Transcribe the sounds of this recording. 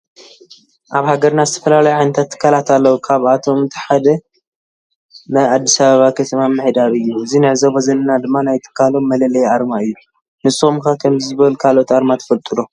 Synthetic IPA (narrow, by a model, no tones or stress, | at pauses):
ʔaβhaɡɐɾnazɨt̪ʰɐ̥fɐlalajuʕajnɐt̪ʰat̪ʰːɨ̥kʰːalat̪alːɐwukʰaβat̪ʰo̞mt̪ʰɨ̥ħad̪ɐ | nɐad̪ːisaβaβakʰɐt̪ʰɐmamɨħid̪aβɨjːuɨzinɨʕzɐbɐzɐlɐnad̪ɨmːanajt̪ʰɨ̥kʰːalomːɐlɐlɐjaɾmaɨjːu | nɨsʼɨxumkakʰɐmzɨbɐlkʰalo̞t̪aɾmat̪ʰɐ̥fɐlt̪ʼɨɾo